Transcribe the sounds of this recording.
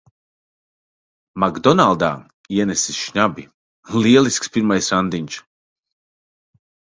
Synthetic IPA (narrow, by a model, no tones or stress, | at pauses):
maɡd̪ɔnalˠd̪a̰ː | iɛnɛsisʃɲabḭ | liɛlˠiskspiɾmajsɾand̪iɲʲt͡ʃ